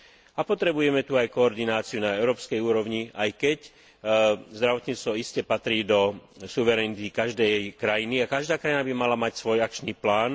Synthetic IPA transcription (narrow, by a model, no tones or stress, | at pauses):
apɔt̪ɾɛbujɛmɛt̪uajkɔːɾd̪inaːt͡siunaɛʊɾɔːpskɛjuːɾɔʊɲiajkɛc | zd̪ɾaʋɔt̪ɲiːt͡st̪ʋɔiscɛpat̪ɾiːd̪ɔsuʋɛɾɛnit̪ikaʒd̪ɛjkɾajiniakaʒd̪aːkɾajinabimalamacsʋɔjak̚t͡ʃniːplaːn